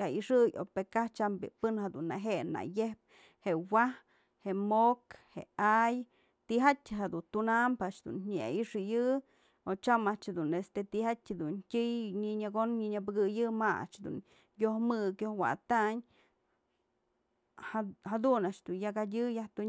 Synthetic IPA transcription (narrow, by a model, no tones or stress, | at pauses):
aiʂɨjo̰pekaht͡ʃambḭpɨnhad̪unːaɦeʔna̰jehp̚ | hewah | heʔmokheaj | t̪iɦatʲɦad̪unt̪unampaʔt͡ʃd̪ṵnɲia̰ʔiʂɨjɨ | ot͡ʃamaʔt͡ʃhad̪unest̪et̪ihatʲd̪untʲɨjɲiɲaɡonɲiɲabɨɡɨjɨmaa̰ʔt͡ʃd̪ṵn | johmɨkjohwa̰t̪aɲ | had̪unaʔt͡ʃd̪unjakadʲɨjaht̪u